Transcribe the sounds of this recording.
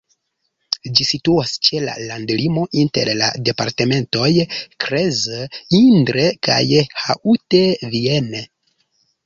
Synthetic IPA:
d͡ʒisituast͡ʃe̞la̰landlimo̞ʔinte̞̰ɾla̰de̞pa̰ɾte̞me̞nto̞jkɾezindɾe̞ka̰jhaʔute̞viene

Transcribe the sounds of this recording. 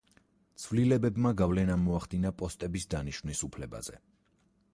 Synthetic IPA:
t̪sʰvlilɛbɛbmaɡavlɛnamɔaχd̪inapʼɔst̪ʼɛbisd̪aniʃvnisupʰlɛba̰z̥ɛ̰

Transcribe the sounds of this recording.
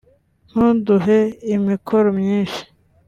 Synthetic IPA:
n̥huduɦeimikʰoɾomɲĩːnʃi̥

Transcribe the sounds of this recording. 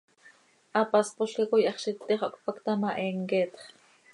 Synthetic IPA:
ʔɑpɑspoʃkakojɑχʃit̪ːiχokpakt̪ɑmaʔeːŋket̪χ

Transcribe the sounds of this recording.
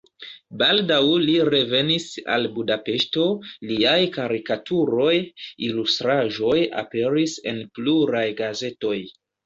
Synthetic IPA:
baldawliɾe̞ve̞nisa̰lbudape̞ʃto̞liajkaɾikatuɾo̞jilustɾaʒo̞ja̰pe̞ɾise̞̰npluɾajɡaze̞to̞j

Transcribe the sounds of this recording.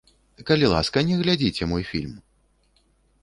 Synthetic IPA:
kɐlʲilˠa̰skɐnʲɛɣlʲad͡zʲit͡sʲɛmɔjfʲilʲm

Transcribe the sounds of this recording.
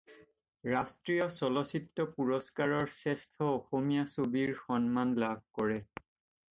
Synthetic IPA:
ɹastɹijɔsɔlɔsitːɔpuɹɔskaɹɔɹsɛstʰɔoxomijasobiɹxɔnmanlab̚ʱkɔɹɛ

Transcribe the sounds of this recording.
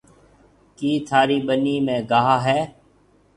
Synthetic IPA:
kiːt̪ʰaːɾiːbəniːmẽːɡaːɦaːɦɛː

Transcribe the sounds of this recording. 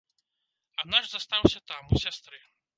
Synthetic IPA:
anaʐzast̪awsʲɐt̪amusʲast̪ɾɨ

